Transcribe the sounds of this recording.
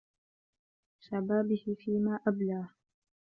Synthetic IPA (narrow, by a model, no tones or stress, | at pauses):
ʃabaːbɪhɪfiːmaːʔablaː